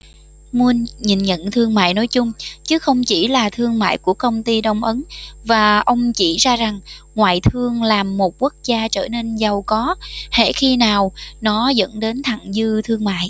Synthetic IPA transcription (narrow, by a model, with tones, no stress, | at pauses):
mu˧ənɲi˨˩nɲə̰˧˨nt̪ʰɨ˧əŋma̰ː˧˨jno˨˦jt͡ɕʊ˧ŋ͡mt͡ɕɨ˨˦xə˧wŋ͡mt͡ɕi˧˩laː˨˩t̪ʰɨ˧əŋma̰ː˧˨jku˧˩əkə˧wŋ͡mt̪i˧ɗə˧wŋ͡mʔə˨˦nvaː˨˩ʔə˧wŋ͡mt͡ɕi˧˩zaː˧za˨˩ŋŋwa̰ː˧˨jt̪ʰɨ˧əŋlaː˨˩mːo˨˩t̚ku˦˥ək̚zaː˧t͡ɕəː˧˩ne˧nzə˨˩wkɔ˨˦hḛ˧˩xi˧naː˨˩wnɔ˨˦zə̰˧˥nɗe˨˦nt̪ʰa˧˨˩ŋzɨ˧t̪ʰɨ˧əŋma̰ː˧˨j